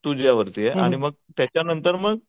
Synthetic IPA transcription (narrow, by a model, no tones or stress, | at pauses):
t̪uːd͡ʑjaʋəɾt̪ieʔa̰ɽ̃iməɡ̚t̪jat͡ɕjanənt̪əɾməɡ